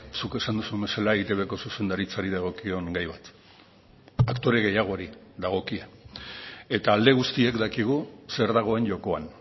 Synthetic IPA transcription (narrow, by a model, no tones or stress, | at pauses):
suke̞sand̪usuembe̞salaeit̪eβe̞ko̞suse̞nd̪aɾit͡saɾiðaɣ̞o̞kio̞ŋɡajβat̪ | akt̪o̞ɾe̞ɣ̞e̞jaɣ̞o̞ɾiðaɣ̞o̞kia | e̞t̪aːld̪e̞ɣust̪iekd̪akiɣ̞use̞ɾðaɣ̞o̞e̞nʝo̞ko̞an